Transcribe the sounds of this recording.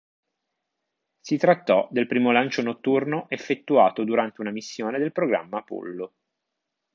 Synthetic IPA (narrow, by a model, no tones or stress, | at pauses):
sit̪ɾat̪ːɔd̪elpɾiːmolant͡ʃonot̪ːurnoʔefːet̪ːuaːt̪od̪uɾant̪eunamisːjoːned̪elpɾoɡɾa̰mːapṵlːo